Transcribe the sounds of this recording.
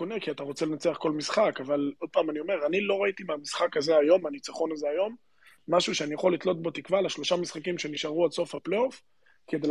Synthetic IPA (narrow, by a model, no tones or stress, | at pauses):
onekiat̪aʁo̞t͡sele̞nat͡seaχko̞lmisχakavalo̞d̪̚paːmanio̞me̞ʁanilo̞ʁait̪imamisχakazeajo̞manit͡saχo̞nazeajo̞mː | aʃuʃeanijaχo̞lːitlo̞t̪̚bo̞t̪ikvalaʃlo̞ʃamisχakimʃe̞niʃaʁualso̞fhaplof | ked̪el